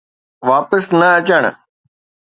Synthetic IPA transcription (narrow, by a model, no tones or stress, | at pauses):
ʋaːpəsnəət͡ʃəɳ̃